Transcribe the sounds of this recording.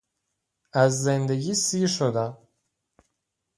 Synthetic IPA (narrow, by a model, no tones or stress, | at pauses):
æzːend̪eɟʲiːsiːɾʃod̪æm